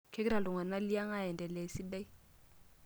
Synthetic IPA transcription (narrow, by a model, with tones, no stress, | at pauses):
kʰɛ˦ɪ˦ɾa˨lʊ˨ŋa˨na˦li˦a˦ŋa˦ɛ˨ndɛ˨lɛ˨si˦bɛ˦i˦